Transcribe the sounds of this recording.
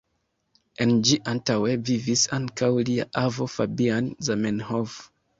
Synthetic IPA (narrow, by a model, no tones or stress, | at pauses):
end͡ʒiʔantawe̞vivisaŋkawlia̰ʔavo̞fabianzamenhov